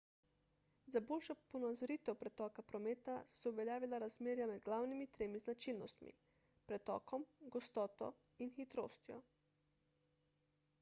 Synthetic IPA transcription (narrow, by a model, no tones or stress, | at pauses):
zaboːlʃɔponazɔɾiːt̪ɛpɾɛt̪ɔːkapɾɔmeːt̪assɛuʋeɛljaːʋilaɾazmeːɾjamɛd̪ɡlaːwnimit̪ɾeːmiznat͡ʃilnɔst̪mḭ | pɾɛt̪ɔ̰ːkɔmɡɔst̪ɔːt̪ɔ̰inxit̪ɾo̰ːst̪jɔ̰